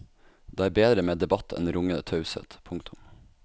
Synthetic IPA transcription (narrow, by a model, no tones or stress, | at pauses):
d̪̥eːæːɾbeːd̪ɾəmeːd̪ɛbɑt̪ʰɛ̰nɾʊŋənət̪ʰɑʉsə̰t̪pʰʊŋkt̪ʰʊm